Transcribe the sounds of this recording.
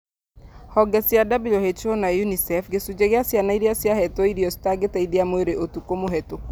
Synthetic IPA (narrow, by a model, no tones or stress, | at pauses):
hɔɡɛsjadabilɔhet͡ʃonajunisɛfɡesud͡ʒeɣeasjanaiɾiasjahɛtɔiɾijɔstaɡetaidiamoeɾeʔotukomoɦɛtok